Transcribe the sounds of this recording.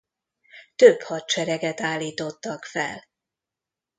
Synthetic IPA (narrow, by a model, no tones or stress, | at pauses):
t̪øphɒt̪̚t͡ʃɛɾɛɡɛt̪aːlːiːt̪o̞t̪ːɒkfɛ̰l